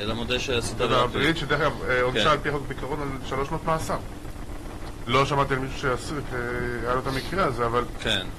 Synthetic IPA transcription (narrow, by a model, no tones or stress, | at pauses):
lamod̪eʃeasit̪avabʁit̪ʃede̞ʁeɡamonʃaːlpiaxoɡ̚bikaʁonalʃalo̞ʃmoot̪maːsaʁ | lo̞ʃamat̪ialmiʃu̥ʃeasukeajalot̪amikʁeazeavalken